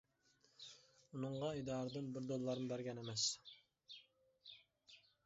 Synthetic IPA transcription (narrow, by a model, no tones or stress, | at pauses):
unɨɴʁɑid̪ɑːɾɨd̪ɨnbɪɾd̪olˠːɑɾmbæɾɡʲɛnemɛs